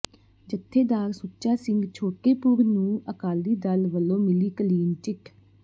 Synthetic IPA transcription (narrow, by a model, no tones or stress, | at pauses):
d͡ʒət̪ʰːeːd̪aːɾsʊt͡ʃaːsɪ̃ŋɡt͡ʃʰoːʈeːpʊɾnũːəkaːld̪iːd̪əlʋəlːõːmɪliːkəliːnt͡ʃɪʈ